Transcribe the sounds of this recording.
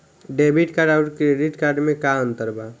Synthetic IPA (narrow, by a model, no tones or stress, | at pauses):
ɖebiʈkaɾɖaʊʈkɾeɖiʈkaɾɖmẽkaənt̪əɾba